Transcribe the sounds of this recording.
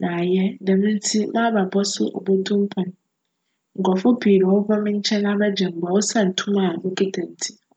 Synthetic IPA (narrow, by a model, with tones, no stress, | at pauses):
nã˨jɛ˦dɛ˨m̃˦n̩˦tʰi˦mã˦ba˨bɔ˦sʊ̰˦ʔɔ̰˨bo˦tʰũ˦m̩˦pʰɔ̃˨n˨ | ŋ̩˨kɔ˨fʊ˦biː˨ɾi˨wɔ˦vɔ˦mɪ̃˦ɲ̩˦t͡ɕʰɛ̃˦nã˦ba˦d͡ʑɛ̃˨m˨ba˨wo˦sa˦˨n̩˨tʰũ˦ma˦˨bʊ˦kʼɪ˦tʰɛ̃˨n̩˨tʰi̥˦